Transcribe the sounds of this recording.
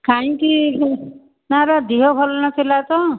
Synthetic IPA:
kaj̃ĩki | naɾad̪iɦɔbʱɔlɔnasʰelat̪ɔ

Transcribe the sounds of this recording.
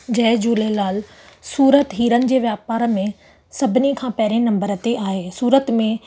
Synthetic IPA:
d͡ʑɐɦɪd͡ʑuːlelaːl | suːɾət̪ɦiːɾənɪ̆d͡ʑeːʋjaːpaːɾmẽ | sɐbʱɪnikʰãːpɐɦɪɾẽnɐ̃mbəɾət̪eʔaːɦeːsuːɾət̪mẽ

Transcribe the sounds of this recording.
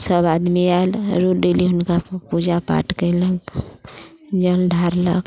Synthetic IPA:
səbad̪mialɾuɖeliɦʊnkapud͡ʒapa̰ʈkələɡ | d͡ʒəlɖʱaɾlə̰ɡ

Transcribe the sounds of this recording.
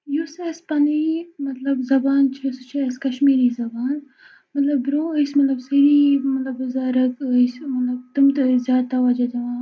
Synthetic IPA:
jusespɐnimɐt̪lɐbzɐbaːnt͡ʃʰisɨt͡ʃʰiɐskɐʃmiːɾizɐbaːn | mɐt̪lɐbɾõːəsmɐt̪lɐbsɐɾiːmɐt̪lɐbzaːɾɐksmɐt̪lɐb̚t̪umt̪ɨzʲjaːt̪aʋɐd͡ʒɐt̪ɐʋãː

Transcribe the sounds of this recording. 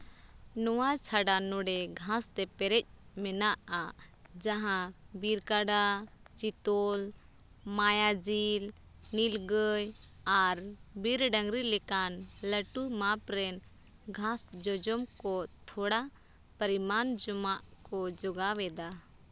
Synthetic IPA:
nɔwat͡ʃʰaɖanɔɖɛɡʱãst̪ɛpɛɾɛc̚ˀmɛnaʔad͡ʒaɦãbiɾkaɖa | d͡ʒit̪ɔl | majad͡ʒil | nilɡəj | aɾbiɾɖə̃ŋɡɾilɛkanləʈumapɾɛn | ɡʱãsd͡ʒɔd͡ʒɔmkɔt̪ʰɔɽa | pəɾimand͡ʒɔmaʔkɔd͡ʒɔɡawɛd̪a

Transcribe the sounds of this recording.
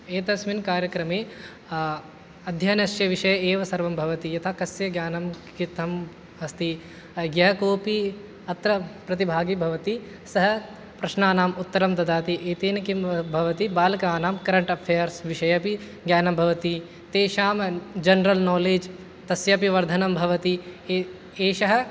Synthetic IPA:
eːt̪ɐsminkaːɾjɐkɾɐmeː | ɐd̪ʱjaːnɐʃt͡ʃjɐʋiʃɐjɐeːʋɐsɐɾʋɐmbʱɐʋɐt̪ijɐt̪ʰakɐsjɐɡjaːnɐm | kit̪ʰɐm | ɐst̪i | ɡjɐɦɐkoːpi | ɐt̪ɾɐpɾɐt̪ibʱaːɡibʱɐʋɐt̪i | sɐɦɐ | pɾɐʃnaːnaːmut̪ːɐɾɐmt̪ɐd̪aːt̪iʔeːt̪eːnɐkimbʱɐʋɐt̪ibaːlɐkaːnaːmkɐɾɐɳʈɐpʰeːjɐɾsʋɪʃɐjɐpi | ɡjaːnɐmbʱɐʋɐt̪i | t̪eːʃaːmd͡ʒɐnɾɐlnɔːleːd͡ʒ | t̪ɐsjɐpiʋɐɾd̪ʱɐnɐmbʱɐʋɐt̪i | eːʃɐɦɐ̆

